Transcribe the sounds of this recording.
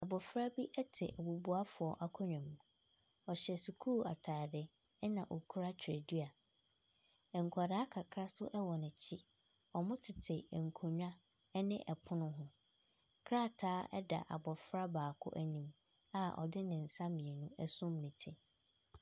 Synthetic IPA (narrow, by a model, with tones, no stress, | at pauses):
a˨bɔ˨fɾa˦bi˦ʔɛ˦tʰɪ̰˨ʔæ˨bu˨bu˦a˦fʊ˨ɔ˨ʔa˦kʰɔ˦ɲᶣã˨mũ˨ | ɔ˨ɕɛ˨su˨kʰuː˦˨a̰˨tʰaː˨dɪ˦ | ɛ˦nã˨ʔo˨kʰu˦ɾa˦t͡ɕᶣʰḛ˨dɥa˨ | ɛ˨ŋ̩˨kʰa˨da˦kʰa˨kʰɾa˦stʊ̰˦ʔɛ˦wɔ˨nɪ̃˨t͡ɕʰi˦ | ɔ˨mʊ̃˦tʰɪ˨tʰɪ˨ŋ̩˨kʰo˨ɲᶣ˦ã˦ | nɪ̃˦ʔɛ˨pʰʊ̃˦nʊ̃˦ɦʊ̃˦ | kʰɾa˦˨tʰaː˦ɛ̰˦da̰˨ʔa̰˨bɔ˨fɾa˦baː˨kʰʊ̰˦ʔæ˨nĩ˨m | a˦ɔ̰˨dɪ˦nɪ̃˨n̩˨sã˦mĩ˨ɛ˨nũ˦ɛ˦sʊ̃˦m˨nɪ̃˨tʰɪ˨